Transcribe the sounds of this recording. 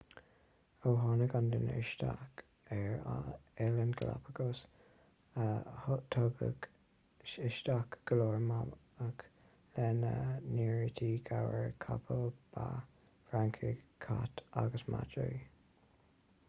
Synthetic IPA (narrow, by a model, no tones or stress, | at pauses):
owɦɑnəɡandənɪ̰ʃtak | ɛɹaɛlənɡəla̰pʰəɡos | əhʊt̪ʰɔɡə̰ɡ | ɪʃt̪akɡ̥əloːɹma | ək | lɛnəniːɹit̪ʰiɡʰawəɹkʰapʰəlb̥a | fɹaŋkʰəkʰat̪aɡəsma̰d͡ʒə̰i